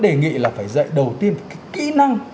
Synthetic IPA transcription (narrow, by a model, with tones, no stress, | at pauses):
ɗe˨˩ŋḭ˧˨laː˨˩faː˧˩jzə̰˧˨jɗə˨˩wt̪i˧ənː˨˩kaː˨˦jkḭ˧˥na˧ŋ